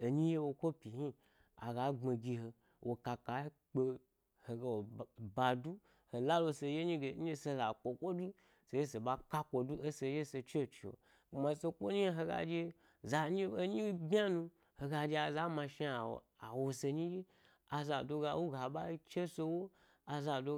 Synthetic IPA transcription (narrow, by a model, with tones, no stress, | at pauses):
o˨ɲi˦je˦wo˧kʷo˦pʲi˨hi˦ | a̰˨ɡa˨˦ŋ͡me˨ɡʲi˧ɦo˧ | wo˨ka˧ka˨˦k͡pe˧ | ho˨ɡe˧˨wo˨ba˧du˦ | ho˨la˦lo˧se˧je˦ɲi˦ɡe˨ɲ̩˦e˦se˧za˨kʷo˨kʷo˦du˦ | se˧je˦se˨ba˧ka˦kʷo˧du˦ʔe˦se˧˦je˦se˧t͡ʃe˦˨t͡ʃi˨wo̰˨ | mã˧˦se˧kʷo˦ɲi˦ɦo˧ɡa̰˧d͡ʒe˧ | za˧ɲi˦o˦ɲi˦bʲa˦nũ˧ | ho˧ɡa˧d͡ʒe˧a˨za˦mã˧ʃi˦a̰˨ | a˨wo˧se˧ɲi˦je˦ | a˨za˨do˧ɡa˧wo˦ɡa˨ɓa˦i˦t͡ʃe˦so˧wo˦ | a˧za˧˨do˧